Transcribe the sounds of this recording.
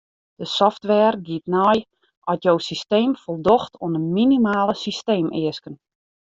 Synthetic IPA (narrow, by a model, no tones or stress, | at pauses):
d̥əsɔftʋɛːrɡiətnɔj | ɔtjowsisteːmfolˠdoxtʰoənəminimaːləsisteːmɪəskən